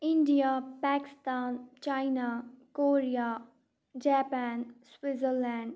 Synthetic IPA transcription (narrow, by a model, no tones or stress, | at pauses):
ɪ̃ɳɖijapɛːkɪ̥st̪aːnt͡ʃaːɪnakoːɾijaː | d͡ʒɛːpɛːnswɪtzəɾlɛ̃ːɳɖ